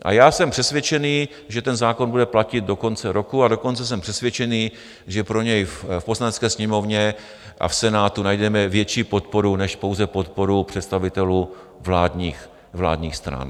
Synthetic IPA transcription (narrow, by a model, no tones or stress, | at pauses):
ʔa̰jaːsɛmpr̥ɛsvjɛt͡ʃɛniː | ʒɛt̪ɛnzaːko̞nbudɛplacɪd̪̚do̞ko̞nt͡sɛɾo̞kuado̞ko̞nt͡sɛs̬ɛmpr̥ɛsvʲjɛt͡ʃɛniː | ʒɛpɾo̞ɲɛjffposlanɛtt͡skɛːsɲɛmo̞vɲɛ | ʔa̰fsɛnaːt̪unajdɛmɛvjɛt͡ʃiːpo̞t̪̚po̞ɾunɛʃpo̞wzɛpo̞t̪po̞ɾupr̥ɛt̪st̪avɪt̪ɛluː | vlaːdɲiːx | vla̰ːdɲiːxst̪ɾa̰n